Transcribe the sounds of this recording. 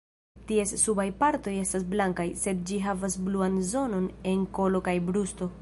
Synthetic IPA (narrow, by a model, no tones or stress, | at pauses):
tie̞sːubajpaɾto̞je̞stas̬blaŋkajse̞d̚d͡ʒiɦavasbluanzo̞no̞ne̞nko̞lo̞kajbɾusto̞